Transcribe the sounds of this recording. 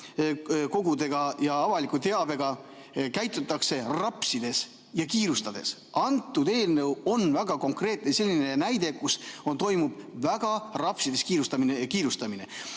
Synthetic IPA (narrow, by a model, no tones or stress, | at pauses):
ko̞ɡud̪e̞ɡ̥ɑjɑɑvɑlikːut̪e̞ɑbe̞ɡ̥ɑ | kæjt̪ːˑut̪ːˑɑkse̞rɑpsid̪̥e̞s | jɑkiːɾust̪ɑd̪̥e̞̰s | ɑnt̪ːˑud̪e̞ːlnɤwo̞nvæɡ̥ɑko̞ŋkre̞ːt̪̚nese̞lːinenæjd̪̥e̞kusont̪o̞jmub̥ | væɡ̥ɑrɑpsid̪e̞skiːɾust̪ɑminekiːɾust̪ɑmine̞